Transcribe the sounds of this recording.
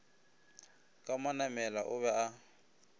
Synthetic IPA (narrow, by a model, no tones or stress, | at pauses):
kʼamanamɛlaʔʊβɛʔa